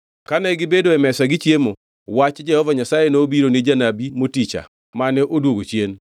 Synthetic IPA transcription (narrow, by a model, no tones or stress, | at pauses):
kanɛɡɪbedoɛmɛsaɡɪt͡ʃjemo | wat͡ʃd͡ʒɛhɔvaɲasajenoːbiɾoned͡ʒanabimotit͡ʃa̰ | manɛʔodwoɡot͡ʃjen